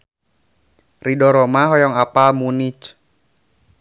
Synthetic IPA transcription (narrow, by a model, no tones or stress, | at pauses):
ridɔɾɔmaɦɔjɔŋapalmunit͡ʃ